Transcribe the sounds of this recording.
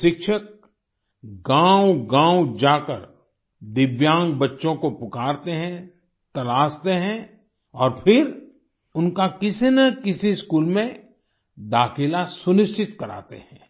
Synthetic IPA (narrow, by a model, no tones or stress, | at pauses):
ʃɪkʃək̚ | ɡãːwɡãːwd͡ʒaːkəɾ | d̪ɪʋjãːŋɡ̚bɐtːʃõkopʊkaːɾt̪eɦɛ̃ | t̪ɐlaːst̪eɦɛ̃ | ɔːɾpʰɪɾ | ʊnkakɪsnəkɪsiskuːlmẽ | d̪aːxɪlasʊnɪst͡ʃɪt̪kɐɾa̰ːt̪ḛɦɛ̃ː